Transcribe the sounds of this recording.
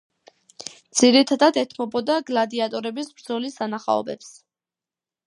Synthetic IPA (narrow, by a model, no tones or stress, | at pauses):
d̪z̥iɾit̪ʰad̪ad̪ɛt̪ʰmɔbɔd̪aɡlad̪iat̪ʼɔɾɛbisbɾd̪zɔlisd̪anaχa̰ɔ̰bɛps